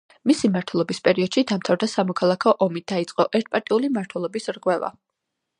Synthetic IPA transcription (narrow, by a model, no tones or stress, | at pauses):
misimaɾt̪ʰwɛlˠɔbispʼɛɾiɔd̪̥ʃid̪amt̪ʰavd̪asamɔkʰalˠakʰɔʔɔmid̪ait̪sʼqʼɔʔɛɾt̪̚ʰpʼaɾt̪ʼiulimaɾt̪ʰwɛlˠɔbisɾʁwɛva̰